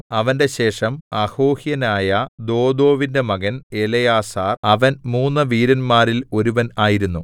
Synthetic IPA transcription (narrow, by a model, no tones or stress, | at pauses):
ɐʋɐnde̞ɕe̞ːʂɐmɐhoːhjɐnaːjɐd̪o̞ːd̪o̞ːʋinde̞mɐɡɐne̞lɐjaːsaːrɐʋɐnmuːnːɐʋiːɾɐnmaːɾilo̞ɾuʋɐnaːjiɾunːu